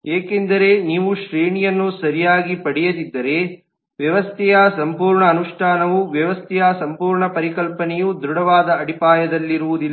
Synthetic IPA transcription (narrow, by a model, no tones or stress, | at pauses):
eːkend̪ɐɾe̞niːʋuʃɾiːɳijɐnːusɐɾijaːɡipɐɽɛjɐd̪id̪ːɐɾe̞ | ʋjɐʋɐst̪ʰɛjɐsɐmpuːɾɳɐːnuʂʈʰaːnɐʋuʋjɐʋɐst̪ʰɛjasɐmpuːɾɳɐpɐɾikɐlpɐnɛjud̪ɾuɽɐʋaːd̪ɐɐɽipaːjɐd̪ɐlːiɾuʋud̪ilː